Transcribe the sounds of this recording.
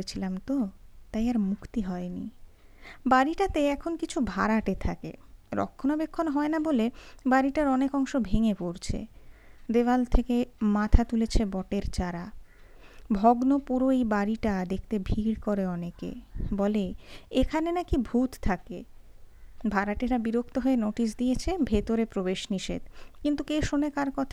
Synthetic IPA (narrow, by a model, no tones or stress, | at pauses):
et͡ɕʰilamt̪ot̪ajaɾmukʰt̪iɦɔenḭ | baɾiʈat̪eɛkʰonkit͡ɕʰubʱa̰ɾaʈet̪ʰakḛɾɔ̰kʰːonabekʰːonɦɔenabolebaɾiʈaɾɔnekɔŋʃobʱeŋepoɾt͡ɕʰḛd̪ebalt̪ʰekemat̪ʰat̪ulet͡ɕʰebɔʈeɾt͡ɕaɾa | bʱɔɡnopuɾoejbaɾiʈad̪ekʰt̪ebʱiɾkoɾeɔnekḛbɔleekʰanenakibʱut̪t̪ʰːakḛ | bʱaɾaʈeɾabiɾok̚ʰt̪oɦoenoʈis̬d̪ijet͡ɕʰebʱet̪oɾepɾobeʃniʃḛd̪kint̪ukeʃonekaɾkɔt̪ʰa